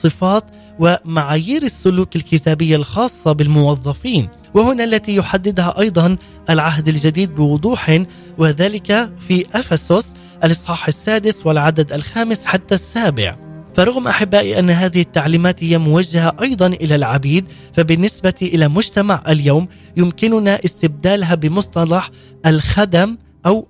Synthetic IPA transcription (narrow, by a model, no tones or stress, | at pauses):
sˤɨfɑːt̪ | wɪmaʕaːjiːɾɪsːʊluːkɪlkɪt̪aːbɪjːalxɑːsˤːɑbɪlmʊwɑðˤːɑfiːn | wɪhʊnaʔlːat̪ijʊħad̪ːɪd̪haʔɑjd̪ˤɑn | ʔalʕaɦd̪ald͡ʒad̪iːd̪̚bɪwʊd̪ˤuːħɪ | wɪðaːlɪkafiʔafasʊs | ʔalʔɑsˤħɑːħasːaːd̪ɪswɪlʕad̪ad̪alxaːmɪsħat̪ːasːaːbɪ̰ʕfɑɾˤʊɣmʔaħɪbːaːʔiʔanːɦaːðɪhɪt̪ːaʕliːmaːt̪hɪjːamʊwad͡ʒːahaʔɑjd̪ˤɑnʔɪlalʕabiːd̪̚ | fabɪnːɪsbat̪iʔɪlamʊd͡ʒt̪amaʕʔaljawm | jʊmkɪnʊnaʔɪst̪ɪb̚d̪aːlɦabɪmʊsˤt̪ˤɑlɑħ | ʔalxad̪am | ʔaw